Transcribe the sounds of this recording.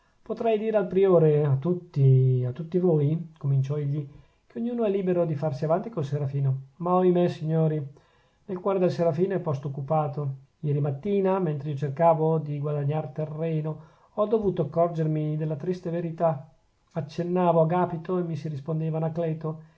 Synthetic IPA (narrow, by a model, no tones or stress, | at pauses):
pot̪ɾɛjd̪iːɾealpɾioːɾeat̪ːut̪ːiat̪ːut̪ːivoːjkomint͡ʃɔiʎːi | keoɲːuːnoɛlːiːbeɾod̪ifarsiavant̪ikolseɾafiːnomaɔimesiɲːoːɾi | nelkwɔːɾed̪elseɾafiːnoɛpːɔst̪ookːupaːt̪o | jɛːɾimat̪ːiːnament̪ɾeiːot͡ʃerkaːvod̪iɡwad̪aɲːart̪erːɛːno | ɔd̪ovuːt̪oakːɔrd͡ʒermid̪elːat̪ɾist̪eveɾit̪a | at͡ʃːenːaːvoaɡaːpit̪oemːisiɾispond̪eːvanaklɛːt̪o